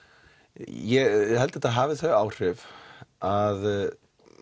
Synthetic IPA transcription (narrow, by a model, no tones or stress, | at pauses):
jɛɣɦɛlt̪ɛt̪aðɦaːvɪθœɥaːwr̥ɪvað